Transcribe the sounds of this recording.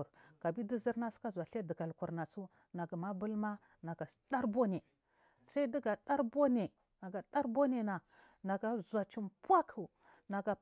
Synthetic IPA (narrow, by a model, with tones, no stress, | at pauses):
ɾka˨bi˦di˦zi˦ɾna˦su̥˦ka˦zʷa˨ɬe˦di˨ɡa˨lku˨ɾna˨t͡su˦ | na˨ɡa˨ma˦bu˦lma˦ | na˨ɡa˨˦ɗa˦ɾbo˦ne˨ | sa˦i˦di˦ɡa˨ɗa˦ɾbo˦ne˨ | na˨ɡa˨ɗa˦ɾbo˦ne˨na˨ | na˨ɡa˨zʷa˨t͡ʃi˨mpwa˦kʰu˨ | na˨ɡa˨